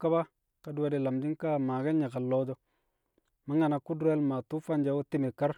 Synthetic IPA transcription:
ka˦ba˦ | ka˨˦du˦we˦di˨la˨md͡ʒi˦ŋka˦ma˨ɡa˦nɲa˨ka˨lo˦d͡ʒo˦ | ma˦ŋa˨na˨ku˦du˦e˦lma˨tu˦fa˦nd͡ʒa˨˦wo˦ti˦mi˨ka˦ɾ

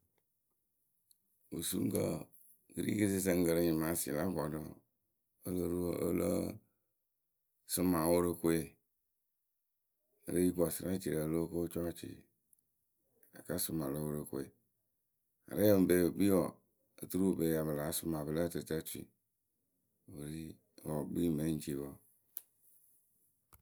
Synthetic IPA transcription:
wo̰˨sṵ˦ŋ˦kə̰˨ | ɡɨ˦ɾḭ˦ki˦si˦s̬ə˦ŋ̩˦ɡə˨ɾə˦ɲi˨ma˨˦sḭ˨la˦ɡɔ˨do˨ | o˦lə˦ɾo̰˦lə̰˦ | sʊ˦ma˨wo˦ɾə˦ko˦e˨ | ə̰˨ɾe˦ji˦kɔ˨sə˦ɾa˦t͡ʃḭ˨ɾa˨lo˦ko˦t͡ʃɔ˦t͡ʃḭ˨ | a̰˨ka˦sʊ˨mã˨lo˦wo˦ɾe˨ko˨˦e˨ | a̰˨ɾe˦˨m˨be˦˨ɡ͡bi˦wɔ˨ | e˨t̪u˦ɾu˦˨be˨ja˨bə˨la˨˦sʊ˦mã˨bə˨la˦te˨ta˦tḭ˨ | wo˨ɾi˦ | wɔ˨ɡ͡bi˦me˦n̩˦t͡ʃi˨bo˨

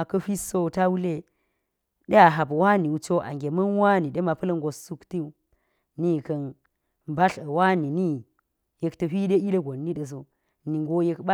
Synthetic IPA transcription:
a˨kɐ˦ɸi˦so˦˨ta˦wu˦le˦ | ɗe˦a˨ɦa˨bwa˦ni˨wu˨t͡ʃo˦ʔa̰˨ŋɡʲe˨mɐ˦nwa˦ni˨ɗe˦ma˨pɐ˦lə˦ŋɡo˨su˦kti˦u˦ | ni˦kɐ˨n | mba˦ɬɐ˨wa˦ni˨ni˦ | je˨ktɐ˨ɸi˦de˦i˦le˦ɡʷo˨nːi˦ɗə˨s̬o˨ | ni˨ŋ˦ɡo˦je˦kɓa˦

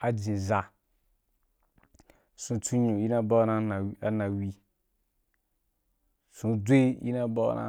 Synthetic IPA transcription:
a˨d͡ʒĩ˨za˨ | sũ˨tʰu˦ɲũ˨ji˦nã˦ba˦nã˦na˨˦a˦na˨wi˦ | sũ˨˧dʷe˦jḭ˦nã˦bɔ̰˦na̰˦

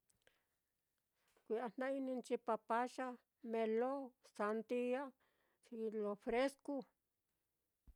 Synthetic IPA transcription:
kʷi˧˨a˧n̥ã˦i˦nĩ˧nt͡ʃi˧pa˧pa˦ʃa˦ | mẽ˧lo˦sa˧nt̪i˧a˦ | si˧lo˧fɾe˦sku˦˧

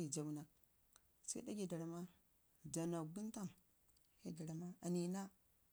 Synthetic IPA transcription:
i˨d͡ʒa˨wu˦na˨k̚ | sḛ˦da˦ɡʲi˨da˨ɾa˨ma˦ | d͡ʒa˨na˨ɡi˦n˦ta˦˨ŋ | je˦da˨ɾa˨ma˦a˨ni˨na˦

